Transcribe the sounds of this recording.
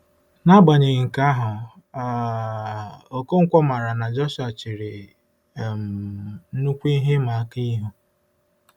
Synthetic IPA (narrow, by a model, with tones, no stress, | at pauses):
na˦ba˨ɲe˨ɣŋ̩˨ka˦ɦʊ˨ | a˨˦ | o˨ko˦ŋ̩˦kʷɔ˦ma˨ɾa˨na˨d͡ʒɔ˦ʃa˨t͡ʃi˨ɾe˨ | m̩˨n̩˦nu˦kʷi˦ɦe˦ma˨a˦ki˦ɦu˦